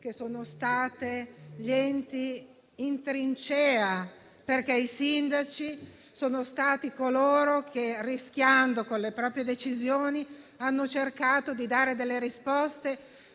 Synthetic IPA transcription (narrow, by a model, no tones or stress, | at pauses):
kesoːnost̪aːt̪eʎɛnt̪iː | nt̪ɾint͡ʃɛːa | perkɛisind̪at͡ʃi | soːnost̪aːt̪ikoloːɾokʰerisk̟ʲjand̪okonlepɾɔːpɾjed̪et͡ʃizjoːni | anːot͡ʃerkaːt̪od̪id̪aːɾed̪elːeɾispɔst̪e